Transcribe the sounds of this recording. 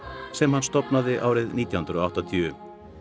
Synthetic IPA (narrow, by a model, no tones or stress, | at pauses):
sɛmhanːst̪ɔpnaðɪʔaːwɾɪðniːt̪jahʏnɾɔaht̪at̪ʰjʏːʏm